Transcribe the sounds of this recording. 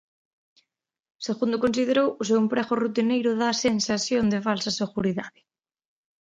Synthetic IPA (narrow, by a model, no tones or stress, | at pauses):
seɣund̪ʊkonsið̞eɾowʊsewempɾɛɣʊrut̪inejɾʊðasensasjond̪ɪfalsɐseɣuɾiðaðɪ